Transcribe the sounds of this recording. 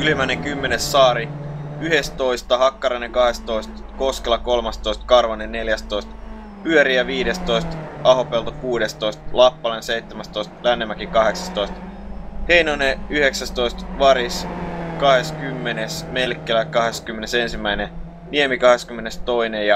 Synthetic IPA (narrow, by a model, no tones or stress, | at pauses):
ylimænekymːenesːɑːɾiyhest̪o̞jst̪ɑɦɑkːɑɾenekɑhe̞st̪o̞ist̪ | koskelɑko̞lmɑst̪oist̪̚kɑrʋɑnenneljæst̪oist̪ | pyøɾiæʋiːɾest̪o̞ist̪ɑɦopelt̪okuːdest̪o̞ist̪lɑpːɑlenseijt̪ːemæst̪o̞ist̪lænːemːækikɑɦeksɑst̪o̞ist̪ | hejnoneyheksæst̪o̞ist̪ʋɑɾiskɑhe̞skymːenesmelkːelækɑɦeskymːenesensimːæine | niemikɑheskymːenest̪o̞inejɑ